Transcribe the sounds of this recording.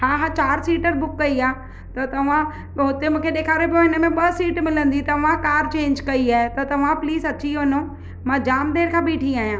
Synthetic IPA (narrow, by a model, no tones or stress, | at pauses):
ɦaːɦãːt͡ɕaːɾsiːʈəɾbʊkːɐiaː | t̪ɐt̪ɐʋ̤ã | ɦʊt̪emũːkʰeɗeːkʰaːɾepõɦɪnəmẽɓɐsiːʈmɪlə̃nd̪it̪ɐʋ̤ãkaːɾt͡ɕẽːɲd͡ʑkɐiaːɦet̪ɐt̪ɐʋ̤ãpliːzɐt͡ɕiɦoːno | mãːd͡ʑaːmd̪eːɾkʰãːbiːʈʰĩaːɦijãː